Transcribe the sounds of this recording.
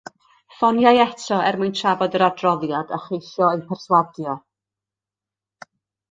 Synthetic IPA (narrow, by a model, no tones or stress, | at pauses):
fɔnjajɛtʰɔɛrmujntʰravɔdəɾadrɔðjadə̰χejɬjɔejpʰɛrswadjɔ